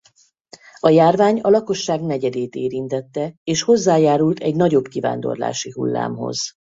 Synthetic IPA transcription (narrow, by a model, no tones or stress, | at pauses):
ɒjaːrvaːɲɒlɒko̞ʃːaːɡnɛɟɛd̪eːt̪eːɾint̪ɛt̪ːɛeːʃho̞zːaːjaːɾult̪ɛɟnɒɟo̞bkiva̰ːnd̪o̞̰rla̰ːʃiɦṵlːa̰ːmɦo̞̰z̥